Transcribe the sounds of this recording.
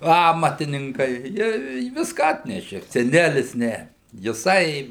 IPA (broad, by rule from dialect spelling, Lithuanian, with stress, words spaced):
ˈɑːmɐtʲɪnʲɪŋkɐɪ ˈjiɛ ɪ ˈʋʲɪskɑː ˈɑːtʲnʲɛʃʲeː sʲɛˈnʲælʲɪs ˈnʲɛ jɪˈsɐɪ